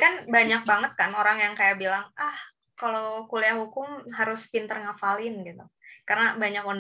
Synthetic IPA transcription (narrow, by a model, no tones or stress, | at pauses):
kanbaɲak̚baŋət̪̚kanoɾaŋjaŋkajabilaŋah | kalokuliaɦukʊmɦaɾʊspint̪ərŋafalɪnɡit̪ukarənabaɲakɔn